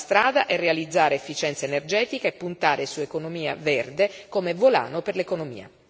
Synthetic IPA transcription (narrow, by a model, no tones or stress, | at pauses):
st̪ɾaːd̪aʔɛrːealid̪zːaːɾeefːit͡ʃɛnt̪saenerd͡ʒɛːt̪ikaepːunt̪aːɾesuekonomiːa̰verd̪ekoːmevola̰ːnoperlekonomḭːa̰